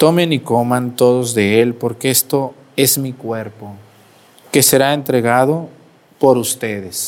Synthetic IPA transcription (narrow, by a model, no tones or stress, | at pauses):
t̪o̞meniko̞mãnt̪o̞ðo̞zðe̞elpo̞ɾkeest̪o̞ | e̞zmikwe̞ɾpo̞ | ke̞se̞ɾaent̪ɾe̞ɣaðo̞ | po̞ɾust̪e̞ðes